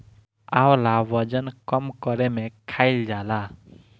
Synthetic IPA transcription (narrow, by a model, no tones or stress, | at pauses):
awlawʌd͡ʒənkɔmkɔɾɛmekʰajld͡ʒala